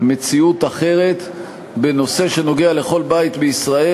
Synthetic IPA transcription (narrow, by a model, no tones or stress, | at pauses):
me̞t͡siut̪aχe̞ʁet̪ | be̞no̞se̞ʃe̞no̞ɡeale̞χo̞lbait̪beisʁae